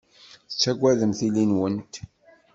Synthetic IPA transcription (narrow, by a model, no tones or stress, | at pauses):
θt͡sːæɡʷːæðəmθilinwənt̪